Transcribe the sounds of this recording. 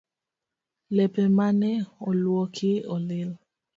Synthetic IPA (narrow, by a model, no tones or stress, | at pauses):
lɛpemanɛɔlwɔkʰɪɔlɪl